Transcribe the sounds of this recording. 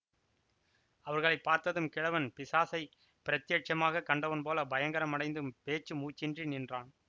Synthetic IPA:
ɐʋɐɾɣɐɭɐɪpːaːɾt̪ɐðɯmkɪɻɐʋɐnpɪsaːsɐɪ | pɪɾɐt̪jeːʈ̚t͡ʃɐmaːɣɐkːɐɳɖɐʋɐnpoːlɐbɐjɐŋɡɐɾɐmɐɽɐɪnd̪ɯmpeːt͡ʃːɯmuːt͡ʃːɪndrinɪndraːn

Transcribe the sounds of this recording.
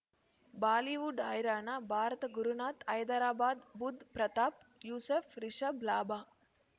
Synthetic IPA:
baːliːʋuɖaːjɾaːnabʱaːɾɐt̪ɐɡuɾunaːt̪ɐjd̪ɐɾaːbaːd̪bud̪ʱpɾɐt̪aːp̚juːseːfɾiʂɐblaːbaː

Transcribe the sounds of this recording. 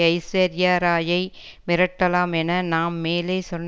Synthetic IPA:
ɐɪsɐɾjaːɾaːjɐɪ | mɪɾɐʈːɐlaːmɛnɐnaːmːeːleɪsɔnː

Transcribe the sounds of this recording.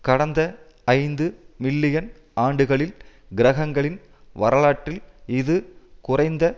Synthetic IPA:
kɐɽɐnd̪ɐː | ɪnd̪ɯmɪɭːɪjɐn | aːɳɖɯɣɐɭɪl | ɡɪɾɐɣɐŋɡɐɭɪn | ʋɐɾɐɭaːʈːɪlɪðɯkʊrɐɪnd̪ɐ

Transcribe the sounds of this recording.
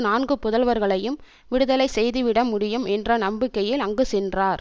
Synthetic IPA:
naːnɡɯpʊðɐlʋɐɾɣɐɭɐjɯm | ʋɪɽɯðɐlɐɪsɛjðɯʋɪɽɐmʊɽɪjɯmɛndrɐnɐmbɪkːɐjɪlɐŋɡɯsɛndraːɾ

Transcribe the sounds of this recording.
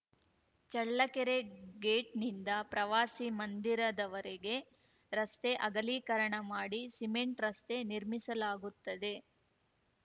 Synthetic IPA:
t͡ʃɐɭːɐkɛɾeɡeːʈnind̪ɐpɾɐʋaːsimɐnd̪iɾɐd̪ɐʋɐɾeɡe̞ | ɾɐst̪e̞ʔɐɡɐliːkɐɾɐɳɐmaːɽisimeɳʈɾɐst̪e̞niɾmisɐlaːɡut̪ːɐd̪e̞

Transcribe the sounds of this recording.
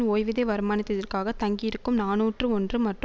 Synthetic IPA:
oːjʋɪðɐʋɐɾɯmaːnɪt̪ːɐðɐrkaːɣɐt̪ɐŋɡijɪɾɯkːɯmnaːnuːʈrɯɔndrɯmɐʈr

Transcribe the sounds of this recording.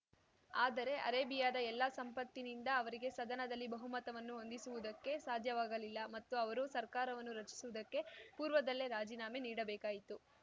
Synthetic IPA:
aːd̪ɐɾe̞ʔɐ̰ɾeːbijaːd̪ɐɛlːasɐmpɐt̪ːinind̪ɐːʋɐɾiɡe̞sɐd̪ɐnɐd̪ɐlːibɐɦumɐt̪ɐʋɐnːuond̪isuʋud̪ɐkːe̞saːd̪ʱjɐʋaːɡɐlilːɐmɐt̪ːuɐʋɐɾusɐɾkaːɾɐʋɐnːuɾɐt͡ʃi̥suʋud̪ɐkːe̞puːɾʋɐd̪ɐlːe̞ɾaːd͡ʒiːnaːme̞niːɽɐbɛːkaːjit̪u

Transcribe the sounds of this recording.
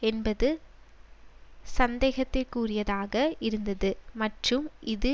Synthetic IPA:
ɛnbɐðɯ | sɐnd̪eːɣɐt̪ːɪkuːrɪjɐðaːɣɐɪɾɯnd̪ɐðɯmɐʈrɯmʔɪðɯ

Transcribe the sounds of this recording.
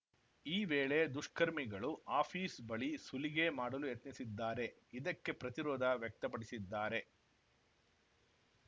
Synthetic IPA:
iːʋeːɭed̪uʂkɐɾmiɡɐɭuʔaːpʰiːsbɐɭisuliɡemaːɽɐlujet̪nisid̪ːaːɾe̞ | id̪ɐkːe̞pɾɐt̪iɾɔːd̪ʱɐʋjɐk̚t̪ɐpɐɽisid̪ːaːɾe̞

